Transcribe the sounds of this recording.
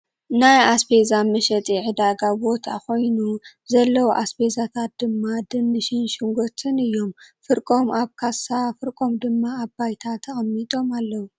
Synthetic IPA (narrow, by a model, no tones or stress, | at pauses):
najaspʰezamɨʃɐt͡s̪ʼiʕɨd̪aɡabo̞t̪ʰa̰ko̞jnu | zɐlːɐwuʔaspʰe̞zat̪ʰat̪̚d̪ɨmːad̪ɨnːɨʃinʃɪŋɡot̪ʰʼɨnɨjːo̞mfɨɾkʼo̞mʔaβkʰasafɨɾkʼo̞md̪ɨmːaːbajt̪ʰat̪ʰɐxʼɐmːit̪ʼo̞malːɐwu